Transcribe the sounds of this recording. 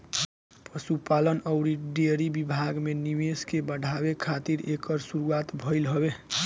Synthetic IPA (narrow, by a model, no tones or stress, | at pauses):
pəsupalənəʊɾiɖeɾibibʱaɡmenimeskebəɽʱabekʰat̪iɾekəɾsuɾuat̪bʱəɪlɦɔbe